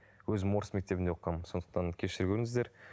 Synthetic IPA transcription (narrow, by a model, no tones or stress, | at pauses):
wɵzɪmoɾəsme̞k̚t̪e̞bɪnd̪eoqːɑmso̞nd̪əqt̪ɑŋkʲʰe̞ʃɪɾkʲʰɵɾɪŋsɪzd̪e̞ɾ